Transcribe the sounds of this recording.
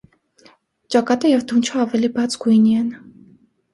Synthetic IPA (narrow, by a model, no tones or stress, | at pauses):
t͡ʃɑkɑt̪əjɛvd̪unt͡ʃʰəɑvɛlibɑt͡sɡ̥ujniɛn